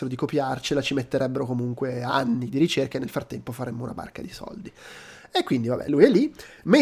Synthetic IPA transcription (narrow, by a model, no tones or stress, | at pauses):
eɾod̪ikopjart͡ʃelat͡ʃimet̪ːeɾʔɛbːeɾokomuŋkwea̰nːid̪iɾit͡ʃerkaenːelfɾat̪ːɛmpofaɾɛmːouna̰ba̰rkad̪isɔ̰ld̪i | ekːwind̪ivabɛ̰lujɛlːi | me